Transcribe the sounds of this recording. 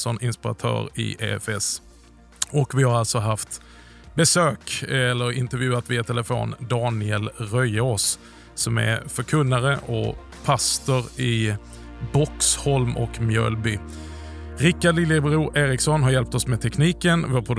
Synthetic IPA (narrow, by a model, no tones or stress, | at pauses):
sɔnɪnspɪɾa̰t̪ʰœ̰ːɾɪ̰ʔeɛfɛs | ɔkvɪhaɾalt̪sɔɦaft̪ | bɛsøːkɛlːəɾɪnt̪əɾvjʉ̟ːat̪vɪɛt̪ʰɛləfo̰ːnd̪ɑːnɪɛlɾœjos | sɔmɛ̰ɾfœɾkʰɵnːaɾəʔɔ | pʰast̪ʊɾɪ | bɔkshɔlmʔɔ̰kmjœ̰ːlbyː | ɾɪkːaɖlɪlːɪbɾuːɾʔeːɾɪksɔnɦaɾjɛlp̚t̪ɔsmɛt̪ʰɛkniːkənvoːɾpʰɾʊd̪